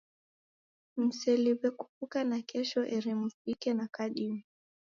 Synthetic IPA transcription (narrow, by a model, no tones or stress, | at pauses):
m̩sɛliwɛkufukanakʰɛʃɔʔɛɾimufikɛnakaɗimi